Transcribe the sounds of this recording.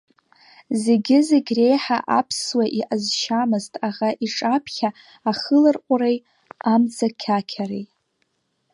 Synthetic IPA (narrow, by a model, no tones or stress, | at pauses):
ze̞ɡʲɪzeɡʲre̞jħaʔapʰswaʔiʔazʃamɨztʼaʁaʔiʈ͡ʂʼapʰχʲaː | χəlɨrqʷʼʊɾej | amd͡zakʲʰakʲʰaɾej